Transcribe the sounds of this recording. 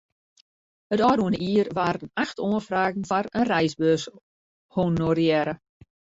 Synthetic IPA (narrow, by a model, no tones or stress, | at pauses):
hətɔːduənəiːərʋaːɾənaxtʰoənfraːɣn̩faɾənrɛjsbøs | honorjɛɾə